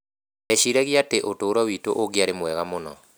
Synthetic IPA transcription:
ɛʃiɾɛɣiateʔotoːɾɔwitoʔoɡjaɾemwɛɣamonɔ̰

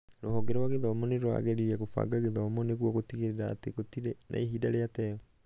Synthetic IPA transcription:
ɾoɦɔɡɛɾɔwaɣeðɔmɔneɾoa̰ɣɛɾiɾɛɣofa̰ɡaɣeðɔmɔneɣwɔɣotiɣeɾeɾa̰ːteɣotiɾenʔa̰iɦidaɾeatɛɔ

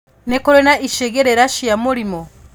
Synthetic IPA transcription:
nekoɾenaʔiʃeɡeɾeɾaʃijamuɾimo

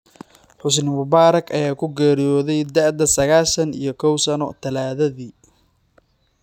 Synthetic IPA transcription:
ħʊs̬nmʊβaːɾɐkʰɐjaːkʰʊɡɛːɾijɔːðɛjd̪ɐʕd̪ɐsɐɣaːlʃɐnḭjɞkʰɔwsɐnɔt̪ʰɐlaːðɐðiː

